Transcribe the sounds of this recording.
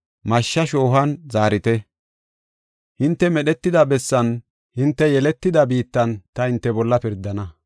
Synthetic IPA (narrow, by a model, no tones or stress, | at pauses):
mɐʃːɐʃoːɦɐnzaːɾɪt̪ɛ | hɪnt̪ːɛmɛɗɛt̪ːɪd̪ɐbɛsːɐn | hɪnt̪ːɛjɛlɛt̪ːɪd̪ɐbiːt̪ːɐnt̪ɐhɪnt̪ːɛbɔlːɐpɪɾd̪ːɐnɐ